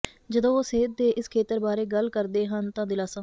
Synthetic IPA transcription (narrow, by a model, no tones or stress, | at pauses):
d͡ʒəd̪õːoːseːt̪̚d̪eːʔɪskʰeːt̪əɾbaːɾeːɡəlkəɾd̪eːɦənt̪ãːd̪ɪlaːsãː